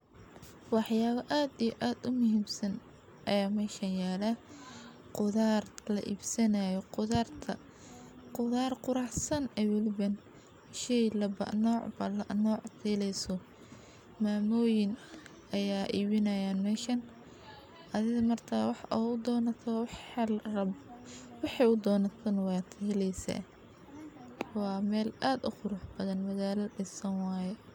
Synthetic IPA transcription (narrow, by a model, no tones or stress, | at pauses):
wɑħjaːβɐʔaːd̪ijɔʔaːd̪ʊmʊɦiːmsɐn | ʔɐjaːmɛːʃɐnjaːlɐ | qʊðaːrlɐ̰ʔiːbsɐnajɔqʊðaːrt̪ʰɐ | qʊðaːrqʊɾɑħsɐnɛwɔlɪβɐn | ʃɛjlɐbɐ̰nɔːʕbɐlɐʔnɔːʕfiːlɛjsɔ | maːmɔːjɪn | ʔɐjaːʔiːβɪnɐjaːnmɛːʃɐn | ʔɐðɪɣɐmɐrt̪ʰɐwɑħd̪ɔːnɐt̪ʰɔ | wɑħɑjʊd̪ɔːnɐt̪ʰɐnwɑːt̪ʰɐhɛlɛjsɐ̰ | wɑːmɛːlaːd̪ʊ̰qʊɾʊħb̥ɐðɐnmɐɣaːlɐɖɪsɐnwɑːjɛ